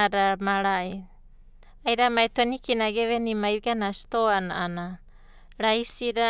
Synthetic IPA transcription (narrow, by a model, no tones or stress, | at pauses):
aɾamaɾai | ajɾamaetenikinaɡeβenimajɡanasi̥toana̰ʔana | ɾajsiɾa